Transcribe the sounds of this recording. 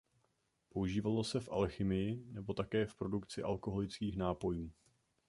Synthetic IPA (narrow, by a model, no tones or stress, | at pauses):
po̞uʒiːvalo̞sɛfʔa̰lxɪmɪjɪnɛbo̞t̪akɛːfpɾo̞dukt͡sɪʔa̰lko̞ɦo̞lɪt͡skiːxnaːpo̞juː